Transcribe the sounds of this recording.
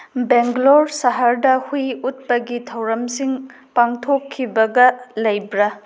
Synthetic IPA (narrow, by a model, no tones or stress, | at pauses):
beŋɡloɾsɐɦaɾdɐhujut̚pɐɡitʰɐwɾɐmsiŋ | paŋtʰokʰːibɐɡɐlɐjbɾɐ